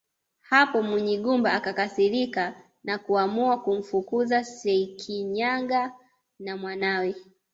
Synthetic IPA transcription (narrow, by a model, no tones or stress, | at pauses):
hapɔmuɲiɠumbaːkakasiɾika | nakuamuakum̩fukuzasɛkʰiɲaŋɡa | namwanawɛ